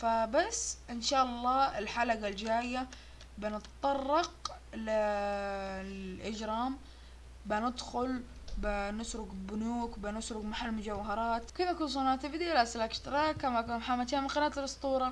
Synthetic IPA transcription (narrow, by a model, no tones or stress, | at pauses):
fabasːʔɪnʃaːʔɑlˤːɑːɪlħalaɡald͡ʒaːjːa | bɪnɨt̪t̪ˤːɑrˤːɑq | lɪ | lʔɪd͡ʒɾˤɑːm | bɪnɪd̪xʊlbɪnɪsɾʊɡbʊnuːkbɪnɪsɾʊɡmaħalːmʊd͡ʒawɦɑɾˤɑːt̪kɪnakuns̬ˤɑnaːt̪ɪbd̪ilaslakʃt̪ɾˤɑkːamakanmħamːat̪iːamɪqɑnaːt̪ɪlɨsˤt̪ˤuːɾˤɑ